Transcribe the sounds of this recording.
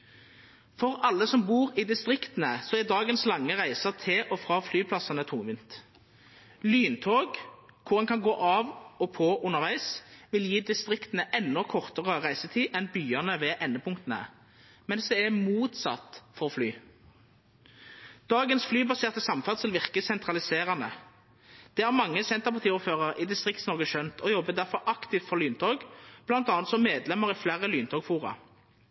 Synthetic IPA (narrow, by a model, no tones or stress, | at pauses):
fɔʁɑlːəsɔmbuːʁid̪ɪst̪ʁɪkt̪nəsɔæd̪ɑːɡənslɑŋːəʁæɪsəʁt̪ʰɪʔɔfʁɑːflyːpʰlɑsɑnət̪ʰʊmʋɪnt̪ | lyːnt̪ʰoːɡkʰʊʁɛnkʰɑnɡoːʔɑːʋɔpʰɔʔʊnːəʁʋæɪsʋɪljiːd̪ɪst̪ʁɪkt̪nəʔɛnːɔkʰɔʁt̪əʁəʁæɪsət̪ʰiːʔɛnbyːənəʋɛːʔɛnːəpʰʊŋkt̪ənə̰ | mɛnsd̪ɛæmuːt̪sɑ̰t̪ːfɔʁflyː | d̪̥ɑːɡənsflyːbɑseːʁt̪ɪsɑmfæʁt̪sɪlʋɪʁkəsɛnt̪ʁɑlɪseːʁɑnə̰ | d̪̥ɛːæʁmɑŋːəsɛnt̪əʁpʰɑʁt̪iːuːføːʁəʁid̪ɪst̪ʁɪkt̪snɔʁɡəʃœnt̪ʰɔjɔbːəd̪æʁfɔʁʔɑkt̪ɪft̪fɔʁlyːnt̪ʰoːɡb̥lɑnt̪ɑːnt̪sɔmeːd̪lɛməʁɪflæːʁəlyːnt̪ʰoːɡfuːʁɑ̰